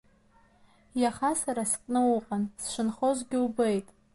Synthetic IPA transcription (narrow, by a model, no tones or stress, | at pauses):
jaχasaɾaskʼnɨwʊqʼansʃʷɨnχozɡʲɪwbejtʼ